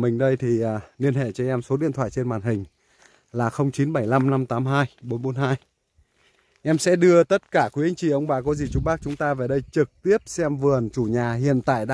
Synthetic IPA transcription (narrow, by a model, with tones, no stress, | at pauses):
mï˨˩ŋ̟ɗə˧jt̪ʰiː˨˩˨li˧ənhḛ˧˨t͡ɕɔ˧ʔɛ˧mso˨˦i˧˨ənt̪ʰwa̰ː˧˨jt͡ɕe˧nmwaː˨˩nɦï˨˩ŋ̟ | laː˨˩xə˧wŋ͡mt͡ɕi˨˦nɓə˧˩jla˧mna˧mt̪aː˨˦mɦaː˧jɓo˨˦nɓo˨˦nɦaː˧j | ʔɛ˧msɛ̰˧˥ɗɨ˧ət̪ə˦˥t̚kaː˧˩kwi˨˦a˨˦ŋ̟t͡ɕḭ˧˩ʔə˧wŋ͡mɓaː˨˩kɔ˨˦zi˨˩t͡ɕʊ˧˦ŋ͡mɓaː˦˥k̚t͡ɕʊ˨˦ŋ͡mt̪aː˧ve˨˩ɗə˧jt͡ɕɨ˨˩k̚t̪i˦˥əp̚sɛ˧mvɨ˨˩ənt͡ɕu˧˩ɲaː˨˩hḭ˧˨ənt̪a̰ː˧˨jɗa˧